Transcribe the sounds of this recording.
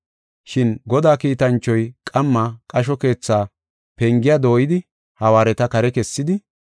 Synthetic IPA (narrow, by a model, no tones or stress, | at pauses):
ʃɪnɡɔd̪aːkiːt̪ɐnt͡ʃːɔjkʼɐmːakʼɐʃ̬ɔke̞ːt͡sːaː | pɛŋɡɪjad̪o̞ːjɪd̪ɪ | hɐwaːɾɛt̪ɐkɐɾɛkɛsːɪd̪ɪ